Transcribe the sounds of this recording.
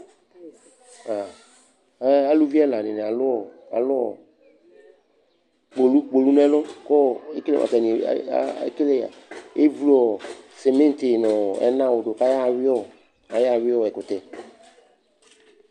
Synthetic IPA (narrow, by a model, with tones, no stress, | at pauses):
a˨ | ɛ˦a˦lu˦vi˦ɛ˦la˨nɪ̃˨nɛ˨a˨lʊ˦ɔ˨ | a̰˨lʊ˦ɔ̰˨ | k͡po˨lu˦k͡po˨lu˦n˦ɛ˦lʊ˦kɔ˦e˦kle˦ʔa̰˨ɛ˨nḭ̃˨˦kle˦˨a̰˨e˦vu˦lɔ˨se˨mẽ˦n˦t̪ɪ˨nɔ̃˨ɛ̰˦nã˦wo˨do˨ka˦ja˦˨wɪ˦ɔ˦ | a˨ja˦˨wɪ˦ɔ˦˨ɛ˨kʊ˨t̪ɛ˨